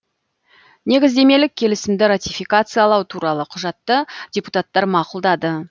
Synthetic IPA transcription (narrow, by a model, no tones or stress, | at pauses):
ne̞ɡʲɪzd̪e̞me̞lɪk̚ʲʰːe̞lɪsɪmd̪ɪɾat̪ʲijfijkat̪sɨjɑlˠɑwt̪ʰuɾɑlˠəqʰʊʒɑt̪ːədʲeput̪at̪ːɑɾmɑqʊlˠd̪ɑd̪ə